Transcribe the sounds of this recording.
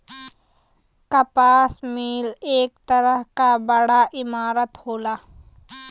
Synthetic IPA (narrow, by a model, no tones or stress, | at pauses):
kɐpaːsmiːleːk̚t̪ɐɾəɦkabɐɽaʔɪmaːɾət̪hoːlaː